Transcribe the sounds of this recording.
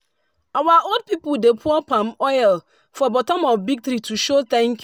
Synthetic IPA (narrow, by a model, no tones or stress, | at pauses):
awaʔold̚pipʊldepʰuɔpãmɔɪl | fɔbɔtɔ̃mɔfbik̚tɾituʃot̪ɛ̃ŋk